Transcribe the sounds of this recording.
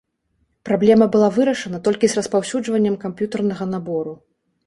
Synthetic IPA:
pɾablʲɛmɐbɨlˠavɨɾɐʂɐnɐt̪ɔlʲkʲizrɐspawsʲud͡ʐvɐnʲːɐmkampjut̪ɐrnɐɣɐn̪abɔɾu

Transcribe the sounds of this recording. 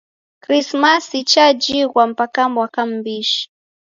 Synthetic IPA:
kɾismasit͡ʃad͡ʒiɣwam̩pakambwakam̩biʃi̥

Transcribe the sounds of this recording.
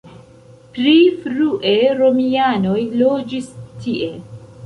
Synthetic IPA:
pɾifɾuʔe̞ɾo̞miano̞jlo̞d͡ʒistiʔe̞

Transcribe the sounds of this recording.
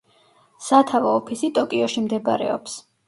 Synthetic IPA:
sat̪ʰavɔːpʰisit̪ʼɔkʼiɔʃimd̪ɛba̰ɾɛ̰ɔps

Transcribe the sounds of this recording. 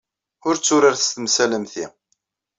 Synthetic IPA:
ʊɾt͡sːʊɾaɾθə̥st̪əmsæləmθḭ

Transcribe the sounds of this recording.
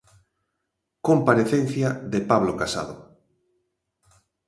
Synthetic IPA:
kompaɾeθen̟θjaðepaβlokasa̰ð̞o

